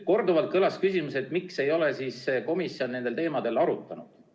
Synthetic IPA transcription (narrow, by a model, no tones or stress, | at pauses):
ko̞rd̪uvɑlt̪̚kɤlɑskysʲimuse̞t̪ˑmikse̞jo̞le̞siːsːeko̞misio̞nne̞nd̪e̞lt̪e̞ːmɑd̪̥e̞lɑɾut̪ˑːɑnud̪̥